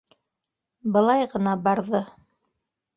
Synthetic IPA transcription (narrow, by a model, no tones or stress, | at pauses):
bɤ̆lˠɑjʁɤ̆nɑbɑɾðɤ